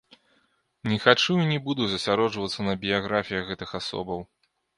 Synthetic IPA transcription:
nʲɛxat͡ʂuinʲɛbud̪uzɐsʲaɾɔd͡ʐvɐt̪sɐnɐbʲijaɣɾafʲijɐɣɛt̪ɨxasɔ̰bɐw

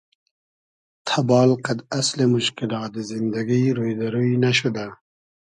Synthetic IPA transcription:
t̪ʰɐbɑːlqad̪ɐslemʊʃkɪlɑːt̪̚d̪ezɪnd̪ɐɡiɾojd̪ɐɾuinaʃʊd̪a

